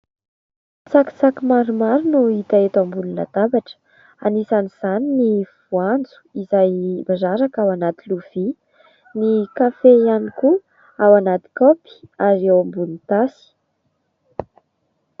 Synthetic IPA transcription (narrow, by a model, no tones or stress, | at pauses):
t͡saki̥t͡sakimaɾumaɾunuit̪aet̪ambunila̰t̪abaʈ͡ʂə̥ | a̰nisaniz̥aniniv̥uand͡zu̥izajmazaɾakawanat̪iluv̥i | nikafejaniku | awanat̪i̥kopi̥aɾewambulit̪asi̥